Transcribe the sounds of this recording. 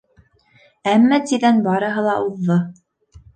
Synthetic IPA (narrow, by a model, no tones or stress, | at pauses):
æmːæt̪iðænbɑɾɤ̆ɦɤ̆lˠɑʔuðːɤ